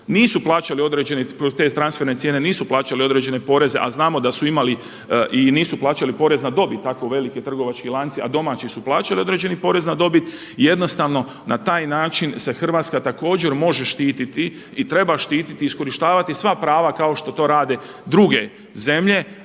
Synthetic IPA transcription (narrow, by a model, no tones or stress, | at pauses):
niːsuplˠaːt͡ʃalio̞d̪ɾe̞ːd͡ʒe̞nepɾot̪e̞t̪ɾansfe̞ɾnesjene̞niːsuplˠaːt͡ʃalio̞d̪ɾe̞d͡ʑe̞ne̞po̞ɾeze̞̰ʔa̰znaːmo̞d̪asuimali | ʔiniːsuplˠaːt͡ʃalipo̞ɾe̞znad̪o̞bit̪ːakoʋe̞liket̪r̩ɡo̞ʋat͡ʃkilˠant̪sia̰d̪o̞maːt͡ʃisuplˠaːt͡ʃalio̞d̪ɾe̞d͡ʒe̞nipo̞ɾe̞znad̪o̞bit̪ | ije̞d̪no̞st̪aʋno̞ | nat̪aːjnaːt͡ʃinse̞xr̩ʋaːt̪skat̪ako̞ːd͡ʑe̞ɾmo̞ʒe̞ʃt̪iːt̪it̪i | it̪ɾe̞baʃt̪iːt̪it̪iisko̞ɾiʃt̪aːʋat̪isʋapɾaːʋakao̞ʃt̪o̞t̪o̞ːɾaːd̪e | d̪ɾuɡe̞ | ze̞mʎe̞